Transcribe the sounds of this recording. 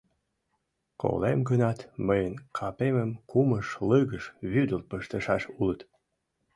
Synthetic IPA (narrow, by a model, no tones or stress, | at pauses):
kʰo̰lemɡənɑt̪məjənkʰɑpeməmkuməʃləɣəʃβyd̪əlpəʃt̪əʃɑʃulət̪